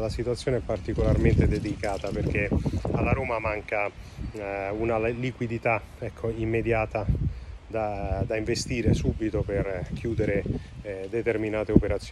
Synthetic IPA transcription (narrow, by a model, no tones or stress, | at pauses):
lasit̪wat̪sːjoːneɛpːart̪ikolarment̪ed̪ed̪ikaːt̪aperk̟ealːaɾoːmamaŋka | unalikwid̪it̪a | ɛkʰːoimːed̪jaːt̪ad̪ad̪aiɱvest̪iːɾesuːbit̪operkʰjuːd̪eɾed̪et̪erminaːt̪eopeɾat̪sːj